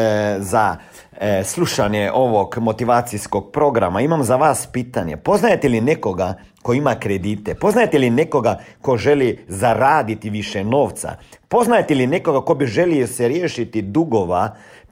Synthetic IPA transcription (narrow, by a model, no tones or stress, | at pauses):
za | sluʃanjeʔoʋokmot̪iʋaːt̪siskok̚pɾoɡɾa̰maimamzaʋaspiːt̪anjḛpoznajet̪ɛlinekoɡa | koimakɾed̪iːt̪ɛpo̞znajet̪ɛlinekoɡakoʒɛlizaɾaːd̪it̪iʋiʃɛnoːʋt̪sa̰poznajet̪ɛlinekoɡakobiʒeliosɛɾjeːʃit̪id̪uɡoʋa